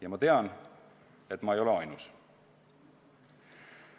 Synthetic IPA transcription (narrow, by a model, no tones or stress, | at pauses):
jɑmɑt̪e̞ɑn | e̞t̪ːˑmɑe̞jo̞le̞ɑjnus